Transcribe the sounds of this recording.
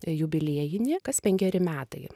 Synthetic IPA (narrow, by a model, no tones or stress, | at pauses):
jʊbʲɪlʲiɛjɪnʲɪkɐspʲɛŋʲkʲɛɾʲɪmʲæːt̪ɐɪ